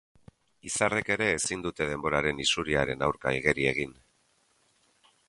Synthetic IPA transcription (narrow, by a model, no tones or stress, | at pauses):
isare̞ke̞ɾe̞ːsind̪ut̪e̞ð̞e̞mbo̞ɾaɾe̞nisuɾiaɾe̞nawɾka̰iɣe̞ɾie̞ɣ̞in